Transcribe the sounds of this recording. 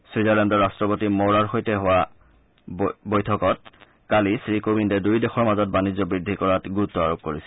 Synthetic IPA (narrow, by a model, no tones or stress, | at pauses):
swizalɛndɔɹastɹɔpotimoɹaɹxojtɛɦʊwa | bojtʰɔkɔt̚ | kalisɹikobindɛdujdɛxɔɹmazɔt̚banizɔbɹidʱːikɔɹatɡuɹutːɔaɹop̚koɹisɛ